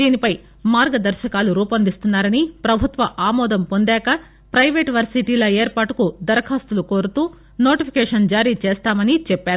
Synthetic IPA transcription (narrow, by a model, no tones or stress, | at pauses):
d̪iːnipɐj | maːɾɡɐd̪ɐɾʃɐkaːluɾuːpɐnd̪ist̪unːaːɾɐnipɾɐbʱut̪ʋɐʔaːmɔːd̪ɐmpo̞nd̪ɛːkɐ | pɾɐjʋeːʈʋɐɾsiʈiːlɐeːɾpaːʈukud̪ɐɾɐkʰaːst̪uluko̞ːɾut̪uː | no̞ːʈipʰi̥keɛːʂɐnd͡ʒaːɾiːt͡ʃeːst̪aːmɐnit͡ʃɛpːaːɾu